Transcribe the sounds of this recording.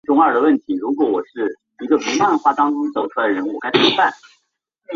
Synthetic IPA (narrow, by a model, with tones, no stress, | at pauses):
ʈ͡ʂʊ˥ŋə˞˥˩d̪ə˩wə˥˩nt̪ʰi˧˥ɻu˧˥kwɔ˧˥wɔ˨˩ʂɻ̩˥˩ | i˧˥ɡə˧pu˧˥a˥˧nxwa˥˩t̪ɑ˥ŋʈ͡ʂʊ˥ŋt͡so˨˩ʊʈ͡ʂʰɻə˧˥n˥˧˨ka˥˩ɪpʰu˧˥pa˥˩n